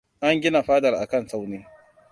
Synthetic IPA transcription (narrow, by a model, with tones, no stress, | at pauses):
ʔa˦ŋɡʲɪ˦na˨ɸaː˦dɐ˨rʔa̰˨kɐ˦˨nsa˦wneː˦